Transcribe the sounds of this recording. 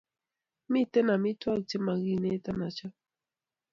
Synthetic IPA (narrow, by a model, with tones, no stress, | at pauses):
mi˦˨tɛ˦na˨mi˦twa˦˨kt͡ʃe˦ma˨ɣi˦˨ne˦ta˦na˨t͡ʃa˦